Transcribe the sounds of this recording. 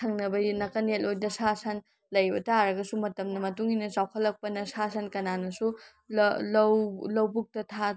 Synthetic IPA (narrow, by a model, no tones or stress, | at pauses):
tʰɐŋnɐbɐjinɐkɐnelojdɐsasan | lɐjbɐtaɾɐɡɐsumɐtɐmnɐmɐtuŋinɐsawkʰɐlːɐk̚pɐnɐsasʰɐnkɐnanɐsu | llɐwlɐwbuk̚tɐtʰa